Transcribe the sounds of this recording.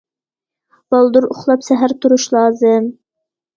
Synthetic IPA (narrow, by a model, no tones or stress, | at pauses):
b̥ɑlˠd̪uɾʊχlˠɑpsɛɦæɾt̪ʰuɾuʃlˠɑːzɨm